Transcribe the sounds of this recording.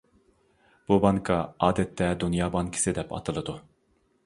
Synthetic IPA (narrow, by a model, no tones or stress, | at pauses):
b̥ubɑŋkʰɑɑːd̪ɛt̪ʰːɛd̪unjɑːbɑŋkʰi̥sɨd̪ɛpɑ̰t̪ʰɨlˠɨd̪u